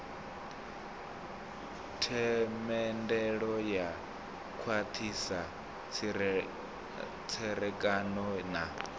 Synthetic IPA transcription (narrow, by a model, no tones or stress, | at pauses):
tʰɛmɛndɛɺɔja | kʰwat̪ʰisa | t͡sʰɛɾɛkʼanɔna